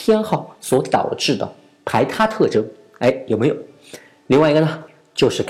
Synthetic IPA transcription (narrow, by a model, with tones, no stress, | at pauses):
t̪ʰjɛ˥nxɑ˥˩ʊswɔ˧˥t̪ɑ̰˨˩ʊʈ͡ʂɻ̩˥˩d̪ə̰˩ | pʰa˧˥ɪt̪ʰa˥t̪ʰɤ˥˩ʈ͡ʂɤ˧˥ŋ | e˥˩ɪjo˨˩ʊme˧˥jo˨˩˦ʊ | li˥˧ŋwa˥˩i˧˥ɡə˧nə˧ | t͡ɕjo˥˧ʊʂɻ̩˥˩k